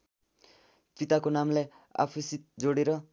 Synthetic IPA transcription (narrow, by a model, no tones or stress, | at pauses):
pit̪akonamle | a̰pʰisit̪̚d͡zoɽeɾʌ